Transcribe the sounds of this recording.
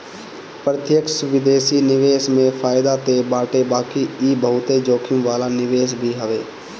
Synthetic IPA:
pɾət̪jəksʊʋɪd̪eːsinɪʋeːsmẽfʰaːɪd̪at̪ebaːʈebaːkiiːbəɦʊt̪ed͡ʒoːkʰɪmʋaːlanɪʋeːs̬bʱiɦəʋeː

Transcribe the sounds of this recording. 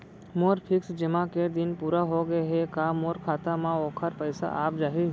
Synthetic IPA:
moːɾpʰɪksd͡ʒɪmãked̪ɪnpuːɾaɦoɡɐeɦɛkaːmoːɾkʰaːt̪amãoːkʰəɾpəɪsa̰ʔa̰ːp̚d͡ʒaːɦi

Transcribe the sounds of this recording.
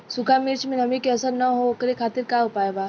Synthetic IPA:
sʊkʰamiɾt͡ʃʰmẽnɐmikeɐsəɾnɐɦookɾekʰaːt̪ɪɾkaʊpaːjba

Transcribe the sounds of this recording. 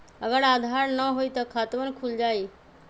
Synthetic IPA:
əɡəɽaːd̪ʱaɾnəɦoit̪ɔkʰat̪ʋənkʰuld͡ʒaːi

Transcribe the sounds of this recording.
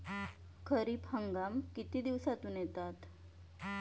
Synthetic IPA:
kʰəɾiːphəŋɡamkit̪iːd̪iʋsat̪uːnjɛt̪at̪

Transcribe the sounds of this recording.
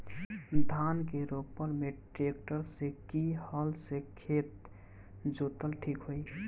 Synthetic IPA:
d̪ʱankeɾopəɾmeʈɾek̚ʈəɾsekihəlsekʰet̪ | d͡ʒot̪əlʈʰikɦoj

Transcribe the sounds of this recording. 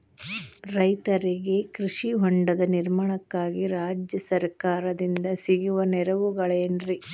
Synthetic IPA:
ɾɐjt̪ɐɾiɡe̞kɾiʂiɦoɳɖɐd̪ɐniɾmaɳɐkːaːɡiɾaːd͡ʒjɐsɐɾkaːɾɐd̪ind̪ɐsiɡuʋɐnɛɾɐʋuɡɐɭeːnɾi

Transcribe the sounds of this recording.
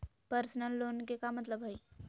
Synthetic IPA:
pəɾsnəlːoːnkekamɐt̪ləbɦɐi

